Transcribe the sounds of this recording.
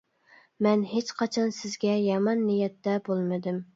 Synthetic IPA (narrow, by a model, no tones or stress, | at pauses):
mɛnɦet͡ʃqʰɑt͡ʃʰɑnsɪzɡʲɛjɑmɑnːijɛt̪ːɛbolˠmɨd̪ɪm